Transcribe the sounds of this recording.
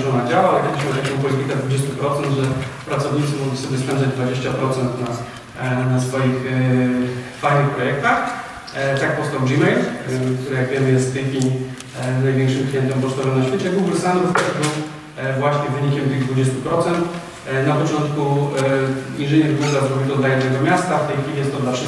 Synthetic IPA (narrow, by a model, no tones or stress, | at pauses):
ʐɔnad͡ʑawait̪adiɕmɔt̪ɛmɛ̃p̬ɔlʲit̪ik̪ad̪vud͡ʑest̪upɾɔt̪sɛnd̪ʐɛpɾat̪sɔvɲit̪sɨmɔɡlʲisɔbʲjɛspɛnd̪zad͡ʑd̪vad͡ʑeɕt͡ɕapɾɔt̪sɛnt̪na | nasfɔjix | fajnɘxpɾɔjɛk̚t̪ax | t̪ak̚pɔst̪awʐimɛjlkt̪uɾɛjaɡvʲjemɘjɛst̪t̪ɘfʲi | najvʲjɛŋkʂɨmklʲijɛnt̪ɛmpɔʂt̪ɔvɛmnaɕfʲet͡ɕɛɡuwɡɾsanɛvt̪ɛʐbɘw | vwaɕɲɛvɘɲikʲɛmt̪ɘɣd̪vud͡ʑest̪upɾɔt̪sɛnt̪ | napɔt͡ʂɔnt̪ku | inʐɘɲɛɾvɡɛzazɾɔbʲid̪ɔd̪lajɛd̪nɛɡɔmʲjast̪aft̪ɛjxfʲilʲijɛst̪ːɔd̪lafʂ